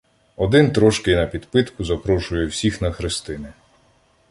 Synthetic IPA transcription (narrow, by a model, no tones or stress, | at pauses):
ɔd̪ɪnt̪ɾɔʃkɪjnɐpʲid̪pɪt̪kʊzɐpɾɔʃʊjɛwsʲixnɐxɾɪst̪ɪnɪ